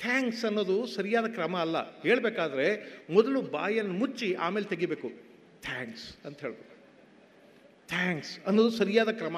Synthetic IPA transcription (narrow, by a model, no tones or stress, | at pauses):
t̪ʰaːŋksɐnːo̞ːd̪usɐɾijaːd̪ɐkɾɐmɐːlːɐ̰heːɭbeːkaːd̪ɐɾemɔd̪ɐluba̰ːjɐnːumut͡ʃiʔa̰ːmeːlet̪eɡibeːku | t̪ʰaːŋksɐnt̪ɐɦeːɭbeːkːu̥ | t̪ʰaːŋksɐnːoːd̪usɐɾijaːd̪ɐkɾɐmɐ